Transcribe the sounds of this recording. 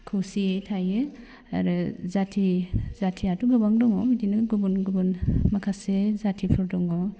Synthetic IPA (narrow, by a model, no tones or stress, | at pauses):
kʰɯsiejtʰaje | aɾɯzatʰizatʰiatuɡɯbaŋdɔŋɔmidinɯɡubunɡubunmakʰasezatʰipʰɯɾdɔŋɔ